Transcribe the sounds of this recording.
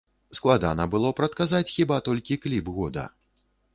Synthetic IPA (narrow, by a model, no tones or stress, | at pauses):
sklˠad̪a̰nɐbɨlˠɔpɾɐt̪̚kazat͡sʲxʲibat̪ɔlʲkʲiklʲibɣɔd̪ɐ̰